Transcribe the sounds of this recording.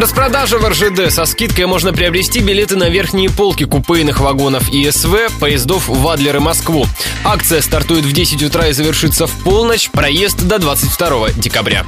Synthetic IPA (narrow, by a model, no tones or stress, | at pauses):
rəspɾɐd̪aʐɨvərʐɨd̪ɛsɐskʲit̪̚kəjmo̞ʐnəpɾʲɪɐbɾʲɪsʲtʲibʲɪlʲe̞t̪ɨnɐvʲe̞rxnʲɪjəpolˠkʲɪkʊpɨjnɨxvɐɡo̞nəfiɛsvɛpəjɪzd̪o̞fvad̪lʲɪɾɨmɐskvu | akt̪sɨjəst̪ɐrt̪ujɪt̪vdʲesʲɪtʲʊt̪ɾaɪzəvʲɪrʂɨt̪səfpo̞lˠnət͡ɕpɾɐje̞st̪d̪ɐd̪vat̪sɨtʲft̪ɐɾo̞vədʲɪkɐbɾʲa̰